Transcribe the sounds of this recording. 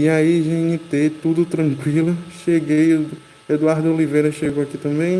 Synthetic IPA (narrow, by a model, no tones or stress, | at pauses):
iaiʒĩɲit̪et̪ud̪ʊt̪ɾɐ̃kwilʊʃeɡej | ed̪uaɾd̪ʊolivejɾɐʃeɡowakit̪ɐ̃mbẽj̃